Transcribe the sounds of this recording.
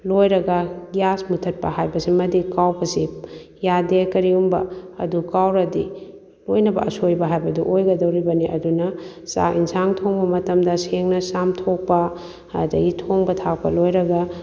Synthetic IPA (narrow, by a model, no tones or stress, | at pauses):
lojɾɐɡɐɡijasmutʰɐt̚pɐ̰ɦajbɐsimɐdikawbɐsi | jadekɐɾiumbɐ̰ɐ̰dukawɾɐdi | lojnɐbɐ̰ɐsojbɐɦajbɐduʔojɡɐdɐwɾibɐniʔɐ̰dunɐsa̰insaŋtʰoŋbɐmɐtɐmdɐseŋnɐsamtʰok̚pɐ | dɐ̰ɡitʰoŋbɐtʰak̚pɐ̰lojɾɐɡɐ